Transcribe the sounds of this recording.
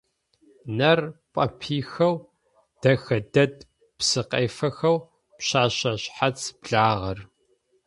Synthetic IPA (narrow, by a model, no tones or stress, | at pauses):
nɐrpʼɐ̰pʰiːxɐw | d̥ɐxɐdɐd̚ | psɨqʼɐjfɐxɐw | pɕaːɕɐɕħat͡sʰb̥ɮaːʁɐr